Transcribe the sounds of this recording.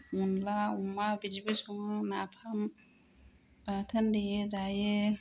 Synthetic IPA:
munlaumabid͡ʒipisuŋanapʰam | patʰandejezaje

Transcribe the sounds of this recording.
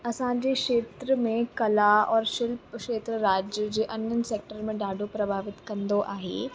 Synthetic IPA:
ɐsãd͡ʑekʃeːt̪ɾəmẽkɐlaɔːɾʃɪlpkʃeːt̪ɾəɾaːd͡ʑjəd͡ʑeːʔɐnənɪ̆seːk̚ʈəɾmẽɖaːɖʱopɾɐbʱaːʋɪt̪kɐ̃nd̪oʔaːɦḛ

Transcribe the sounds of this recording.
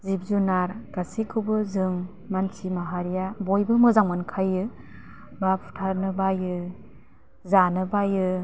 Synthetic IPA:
zib̚zunaɾɡ̥asikʰɯbɯzɯŋ | mansimaɦaɾijabojbɯmɯzaŋmankʰajɯ | bapʰu̥tʰanɯbajɯ | zanɯbajɯ

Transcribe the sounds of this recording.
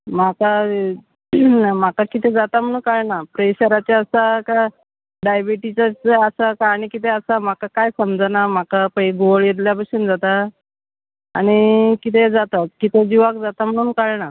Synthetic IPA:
maka | m̤akakit̪ed͡zat̪am̤əɽ̃uːnkaɭɳapɾeɕəɾat͡ɕaəsaka | ɖajbiʈit͡ɕat͡səsakaːɽ̃ikit̪ʰeəsam̤akakajsəmd͡zanam̤akapəiɡoɭjet̪̬ljapəsind͡zat̪a | aɽ̃ikit̪ed͡zat̪at̪kit̪ed͡ʑiʋakd͡zat̪am̤əɽ̃uːnkaɭɳa

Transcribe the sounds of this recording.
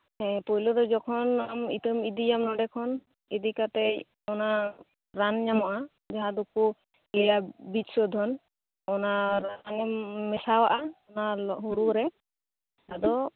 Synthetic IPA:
hɛpɔjlɔd̪ɔd͡ʒɔkʰɔnamḭt̪ɔmid̪ijamnɔɖɛkʰɔn | ɛd̪ikat̪ɛ | ɔna | ɾanɲamɔʔa | d͡ʒaɦad̪uku | lɛjabisɔd̪ʱɔn | ɔnaɾanamːɛsawaʔaɔnaɔɦuɾuɾɛ | tad̪ɔ

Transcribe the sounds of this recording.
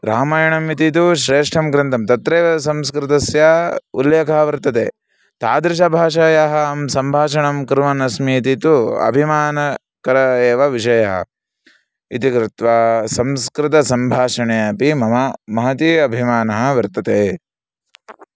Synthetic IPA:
ɾaːmaːjɐɳɐmit̪it̪uʃɾeːʂʈʰɐmɡɾɐnt̪ɐmt̪ɐt̪ɾeːʋɐsɐmskɾɪt̪ɐsjaṵljeːkɐɦɐʋɐɾt̪ɐt̪ḛː | t̪aːd̪ɾɪʃ̬ɐbʱaːʃaːjaɦɐɐmsɐmbʱaːʃɐɳɐmkɾʋɐnɐsmiːt̪it̪uɐ̰bʱimaːnɐ | kɐɾɐeːʋɐʋiʂ̬ɐjɐɦɐ̰ | ḭt̪ikɾɪt̪ʋaːsɐmskɾɪt̪ɐsɐmbʱaːʃɐɳejɐpimɐɐmɐɦɐt̪iɐbʱimaːnɐɦɐ̆ʋɐɾt̪ɐt̪eː

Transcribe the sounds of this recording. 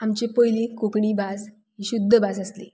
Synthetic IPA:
amt͡ɕepəjlĩkokɳiːbad͡z | ɦiɕud̪ʱːəbad͡zəslḭ

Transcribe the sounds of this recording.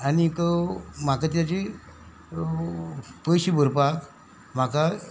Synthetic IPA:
aɽit̪ɔm̤akat̪jat͡ɕi | pəjɕibʱəɾpak | m̤aka

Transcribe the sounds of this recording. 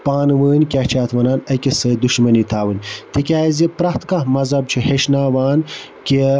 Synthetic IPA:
paːnɨʋəːnʲkʲaht͡ʃʰaːt̪ʰʋɐnaːnɐkʲesɐːd̪uʃmɐnit̪ʰaːwɨnʲt̪ikʲaːzipɾɐht̪kɐmɐzɐb̚t͡ʃʰiheʃnaːʋaːnkʲi

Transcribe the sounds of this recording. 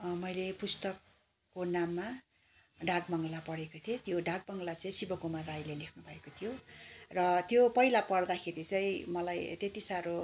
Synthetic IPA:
mʌjlepust̪ʌkː | onamːa | ɖʱaɡbʌŋɡlapʌɽekot̪ʰet̪joɖʱaɡ̚bʌŋlat͡sʌ̃ĩsibʌkumarrajlelekʰnubʱʌekot̪ʰijorʌt̪jopʌjlapʌɽd̪akʰeɾit͡sʌjĩmʌlajt̪et̪isaɾo

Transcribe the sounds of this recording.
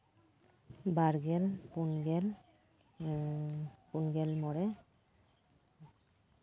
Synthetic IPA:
baɾɡɛlpunɡɛl | punɡɛlmɔɾɛ

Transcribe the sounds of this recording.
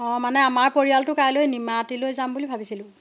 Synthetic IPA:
ɔ̃manɛamaɹpoɹijaltʊkajlojnimatilojzambulibʱabisilʊ̃

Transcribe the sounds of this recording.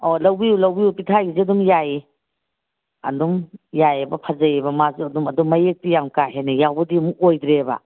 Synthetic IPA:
olɐwbiulɐwbijupitʰajiziɐdumjaji | ɐ̰dumjajebɐpʰazɐjebɐmazuɐdumɐdumːɐjek̚tijaŋkaɦenijawbɐdimukojdɾeba̰

